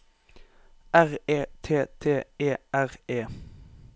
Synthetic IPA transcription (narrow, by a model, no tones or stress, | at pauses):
æʁeːt̪ʰeːt̪ʰeːeːʔæʁeː